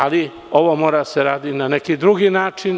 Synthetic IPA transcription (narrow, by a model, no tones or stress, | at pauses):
ali | o̞ʋomoːɾaseɾaːd̪inanekid̪ɾuɡinaːt͡ʃin